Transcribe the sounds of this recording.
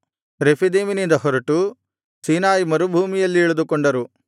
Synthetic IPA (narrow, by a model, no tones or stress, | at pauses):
ɾepʰid̪eːminind̪ɐhɔɾɐʈu | siːnaːjimɐɾubʱuːmijɐlːiːɭud̪ukoɳɖɐɾu